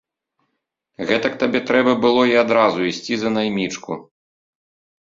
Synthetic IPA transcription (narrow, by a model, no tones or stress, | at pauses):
ɣɛt̪ɐk̚t̪abʲɛt̪ɾɛbɐbɨlˠɔiad̪ɾazuisʲt͡sʲizɐnajmʲit͡ʂkṵ